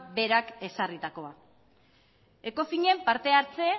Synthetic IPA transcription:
be̞ɾake̞sarit̪ako̞a | e̞ko̞fiɲe̞mpaɾt̪e̞aɾt͡se̞

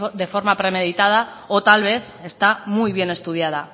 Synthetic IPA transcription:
d̪e̞fo̞ɾmapɾe̞me̞ðit̪að̞a | ot̪alβ̞e̞θ | e̞st̪amujβ̞je̞ne̞st̪uð̞jað̞a

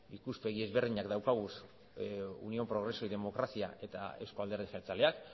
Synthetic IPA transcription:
ikuspe̞ɣie̞zβe̞ɾðiɲakd̪awkaɣ̞us | ṵnio̞pɾo̞ɣ̞ɾe̞soiðe̞mo̞kɾasia̰ʔe̞t̪a̰e̞wsko̞ald̪eɾð̞eseɾt͡sale̞ak

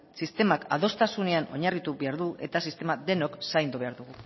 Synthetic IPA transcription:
sist̪e̞maka̰ð̞o̞st̪asune̞ano̞̰ɲarit̪uβe̞aɾðue̞̰t̪asist̪e̞maðe̞no̞ksajnd̪uβe̞aɾðuɣ̞u

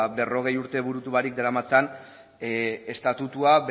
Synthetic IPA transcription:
be̞ro̞ɣ̞e̞juɾt̪e̞βuɾut̪uβaɾik̚d̪eɾamat͡san | e̞st̪at̪ut̪uaβ

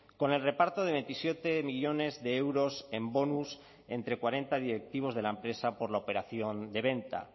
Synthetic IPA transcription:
ko̞ne̞lre̞paɾt̪oð̞e̞βe̞nt̪isje̞t̪e̞miʎo̞ne̞zðe̞ewɾo̞se̞mbo̞nus | e̞nt̪ɾe̞kwaɾe̞nt̪aðiɾe̞k̚t̪iβ̞o̞zð̞e̞laempɾe̞sapo̞ɾlaope̞ɾaθjo̞nd̪e̞β̞e̞nt̪a̰

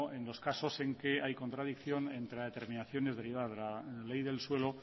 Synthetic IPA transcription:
e̞nlo̞skaso̞se̞ŋkeajko̞nt̪ɾaðikθjo̞ne̞nt̪ɾeðe̞t̪e̞ɾmĩnaθjo̞nezðe̞ɾiβaðazðelale̞jðe̞lswe̞lo

